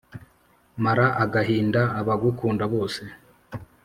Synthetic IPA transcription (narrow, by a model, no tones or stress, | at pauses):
maɾaʔaɡaɦiːndaːβaɡukuːndaβo̞ːse̞